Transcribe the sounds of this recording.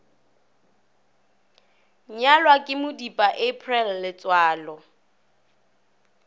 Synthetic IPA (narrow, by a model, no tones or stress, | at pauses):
ɲalwakʼɪmʊdipʼaʔepʰʼrɛlːɪt͡sʼwaːlɔ